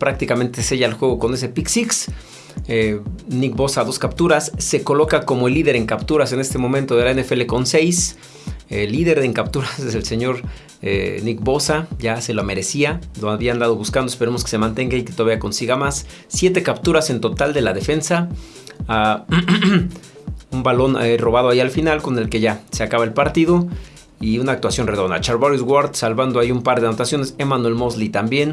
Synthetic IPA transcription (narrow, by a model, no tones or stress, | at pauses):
pɾak̚t̪ikament̪ese̞ʝaelxwe̞ɣ̞o̞ko̞ne̞s̬e̞piksiks | enik̚bo̞saðo̞skapt̪uɾasːe̞ko̞lo̞kako̞moelːiðe̞ɾeŋkapt̪uɾase̞ne̞st̪e̞mõ̞mẽnt̪o̞ðe̞laenefe̞le̞ko̞nse̞js | elːiðe̞ɾðeŋkapt̪uɾaseselse̞ɲo̞ɾ | ḛnikbo̞saʝase̞loame̞ɾe̞sialoaβiand̪að̞oβuskand̪oespeɾemoske̥semãnt̪e̞ŋɡait̪it̪oðaβiako̞nsiɣamasː | je̞t̪e̞kapt̪uɾase̞nt̪o̞t̪ald̪e̞laðe̞fe̞nsa | a | umbalo̞nro̞βað̞o̞aialfinalko̞ne̞lke̞ʝase̞akaβae̞lpaɾt̪iðo̞ | iunaːkt̪wasjo̞nreðo̞nd̪a̰t͡ʃaɾβoɾizɣwaɾt̪salβand̪oaiumpaɾðnot̪asjo̞nesemanwe̞lmo̞zlit̪ambje̞n